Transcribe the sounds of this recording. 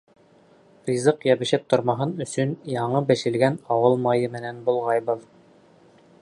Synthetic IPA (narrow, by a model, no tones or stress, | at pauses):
frʲizɤqjæβɘ̆ʃɘp̚t̪ŏɾmɑɦɤnɵ̆sɵnjɑɴɤbɘ̆ʃɘ̆lɡænɑwɤlˠmɑjɤmɘ̆nænbŭlˠʁɑjbɤð